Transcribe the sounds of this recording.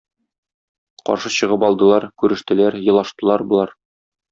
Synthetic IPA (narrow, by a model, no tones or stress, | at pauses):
qɒ̰ɾʃɤɕɤ̆ʁɤpɒlˠd̪ɤ̆lˠɑɾkʉɾɘ̆ʃt̪ɘ̆læɾjɤ̆lˠɑʃt̪ɤ̆lˠɑɾbŏlˠɑɾ